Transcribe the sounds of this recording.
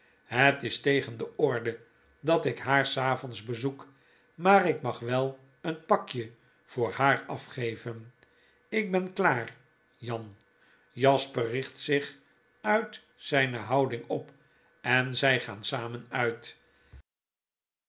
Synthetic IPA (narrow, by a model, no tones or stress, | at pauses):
ɦətɪstejχəndəɔɹdə | dɑtɪkɦaːɹsaːvɔnzbəzuk | maːɾɪkmɑχʋɛlˠ | ənpɑkjə | v̥ʊːɹhaːɹɑfχejvən | ɪk̚bɛnklaːr | jɑn | jɑspərɪχtsɪχ | œɥt | sɛjnəɦɑwdɪŋɔp | ɛnzɛjχa̰ːnsaːmənœɥt